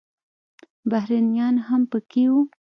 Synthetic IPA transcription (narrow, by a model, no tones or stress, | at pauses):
bahɾanjɑnhampəkewu